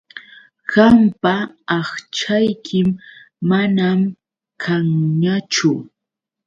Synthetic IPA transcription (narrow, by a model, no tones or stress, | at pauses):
ɢɑmpaːχt͡ʃajkʰɪmː | anam | kʰaŋɲat͡ʃʊ